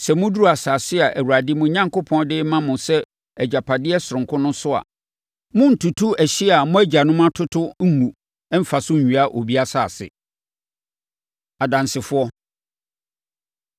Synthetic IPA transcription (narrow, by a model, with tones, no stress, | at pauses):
sɛ˨mʊ̃˦du˦ɾu˦a˨saː˨sɪ˦a˨ʔæ˨wu˨ɾa˨dɪ˦mʊ̃˨˦ɲã˦ŋkʊ˦pʰɔ̃˦ndɪ˦mã˦mʊ̃˨sɛ˦ | æ˨d͡ʑa˨pʰa˨dɪ˦ɛ˦sʊ˨ɾʊ̃˨ŋkʰʊ˦nʊ̃˦sʊ˦a̰˨ | mʊ̃˦n̩˨tʰu˨tʰu˦æ˨ɕɪ˦a˨mʊ̃˦æ˦d͡ʑa˨nʊ̃˦mã˦tʰʊ˦tʰʊ˦ŋ̩˦ŋũ˨ | ɛ˦m̩˦fa˨sʊ̃˦ɲ̩˨ɲᶣu˨a˦ʔo˨bi˦a˦sa˨sɪ̰˨ | a˨dã˨nsɪ˨fʊ˦ɔ˦